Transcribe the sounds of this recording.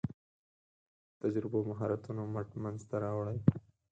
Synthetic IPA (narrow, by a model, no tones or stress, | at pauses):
t̪ad͡ʒɾɪbomaɦɑɾat̪unomaʈmanzt̪aɾɑwɽaj